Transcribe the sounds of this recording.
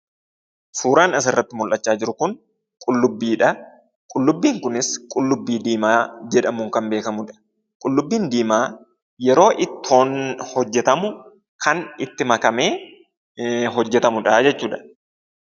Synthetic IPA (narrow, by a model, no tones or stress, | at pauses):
fuːɾaːnɐs̬ɪrːɐt̪ːɪmʊlʔɐt͡ʃːaːd͡ʒɪɾʊkʊŋ | kʼʊlːʊbːiːᶑɐ | kʼʊlːʊbːiːŋkʊnɪskʼʊlːʊbːiːd̪iːmaːd͡ʒɛᶑɐmuːŋkɐmbe̞ːkɐmʊᶑɐ̥ | kʼʊlːʊbːiːnd̪iːmaː | jɛɾo̞ːʔɪt̪ːɪoːnhɔd͡ʒːɛt̪ɐmʊ | kʰɐnɪt̪ːɪmɐkɐme̞ː | ɦɔd͡ʒːɛt̪ɐmʊᶑɐd͡ʒɛt͡ʃːuːᶑɐ̥